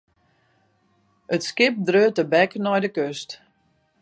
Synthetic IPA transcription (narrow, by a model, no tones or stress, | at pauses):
ətskɪp̚drøːtəbɛknɔjdəkøst